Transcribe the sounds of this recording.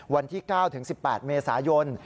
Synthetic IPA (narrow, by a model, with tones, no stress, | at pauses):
wa˧nt̪ʰiː˥˩kaː˥˩wt̪ʰɯ˩˦ŋsi˨˩pːɛː˨˩t̪̚meː˧saː˩˦jo˧n